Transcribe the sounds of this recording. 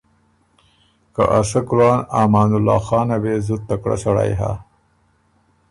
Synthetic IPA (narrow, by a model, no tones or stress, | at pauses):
ka̰ʔasɐkulɑːnaːmɑːnulːɑ̰ːxɑːnabeːzut̪ːakɽa̰saɽa̰jɦa̰